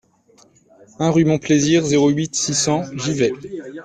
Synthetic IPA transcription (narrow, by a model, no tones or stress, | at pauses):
ɛ̃ʁymɔ̃pleziːʁzeʁoɥit̪sisɑ̃ʒivɛ